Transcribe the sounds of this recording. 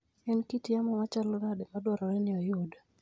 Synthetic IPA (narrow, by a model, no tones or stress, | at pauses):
ɛnkitiamɔmat͡ʃalnadɛmadwɔɾɔɛnɪɔjod